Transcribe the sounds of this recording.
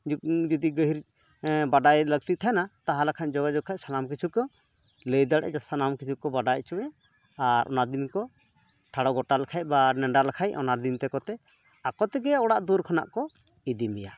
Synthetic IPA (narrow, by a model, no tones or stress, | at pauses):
d͡ʒɔd̪iɡəɦiɾ | baɖajləɡ̚t̪it̪ʰanat̪aɦalakʰaɲd͡ʒɔɡad͡ʒɔkʰac̚sanamkit͡ʃʰukɔ | ləjd̪aɽʔɛ̰d͡ʒasanamkit͡ʃʰukɔbaɖajt͡ʃuʔɛ | aɾʔɔ̰nad̪inkɔ | ʈʰaɽɔɡɔʈalakʰaj̚banɛɳɖaɾlakʰajɔnad̪int̪ɛkɔt̪ɛ | akɔt̪ɛɡɛaɔɽaʔd̪uɾkʰana̰ʔkɔ | id̪imɛja